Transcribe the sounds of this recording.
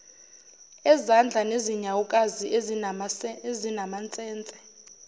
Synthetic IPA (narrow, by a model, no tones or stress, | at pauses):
ɛzand͡ɮʱaneziɲawukʼazi | ezinamant͡sʼɛːnt͡sʼɛ̥